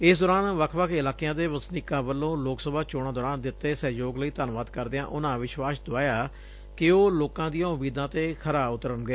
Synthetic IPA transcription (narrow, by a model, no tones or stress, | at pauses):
ɪsd̪ɔːɾaːnʋəkʰʋəkʰɪlaːkijãːd̪eːʋəsnɪːkãːbəlːõːloːksəbaːt͡ʃoːɽãːd̪ɔːɾaːnd̪ɪt̪ːeːsɛːjoːɡləiːt̪aːnʋaːd̪kəɾd̪eːãːʔʊnãːʋɪʃʋaːsd̪oaːjaː | kɪoːloːkãːd̪ijãːʊmiːd̪ãːt̪eːkʰəɾaːʊt̪əɾənɡeː